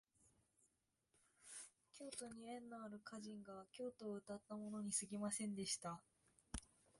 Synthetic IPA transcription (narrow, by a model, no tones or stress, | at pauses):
kʲo̞ːt̪o̞ɲ̟iẽ̞nːoaɾɯ̟kʰaʑĩŋɡakʲo̞ːt̪o̞ːɯ̟t̪at̪ːamo̞no̞ɲ̟isɨɡʲimasẽ̞nd̪e̞ɕi̥t̪a